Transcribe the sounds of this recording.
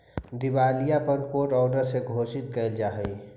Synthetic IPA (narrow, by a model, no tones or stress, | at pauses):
d̪iwaːlijapənkoːʈɔːɖəɾseɡʱoːsɪt̪̚kəɪld͡ʒaːɦəi